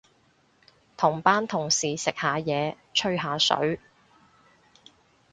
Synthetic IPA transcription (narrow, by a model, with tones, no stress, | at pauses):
t̪ʰʊ˨˩ŋpaː˥nt̪ʰʊ˨˩ŋsiː˨sɪ˨k̚haː˨˧jɛː˨˧ | t͡ʃʰɵ˥ɥɦaː˨˧sɵ̰˨˥ɥ